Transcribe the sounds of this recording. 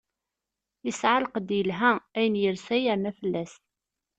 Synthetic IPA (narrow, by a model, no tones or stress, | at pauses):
jəsʕaləqd̪jəlɦææjənjəɾsæjəɾnæfəlːæst̪